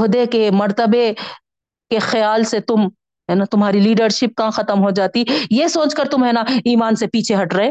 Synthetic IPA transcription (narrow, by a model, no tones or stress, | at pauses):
ɦd̪ekemɐɾt̪əbe | kexjaːlset̪ʊm | ɦɛːnat̪ʊmɦaːɾiliːɖəɾʃɪp̚kãxɐt̪əmɦod͡ʒaːt̪ijesoːt͡ʃkɐɾt̪ʊmɦɛːnaiːmaːnsepiːt͡ʃʰeɦɐʈɾɐɦẽː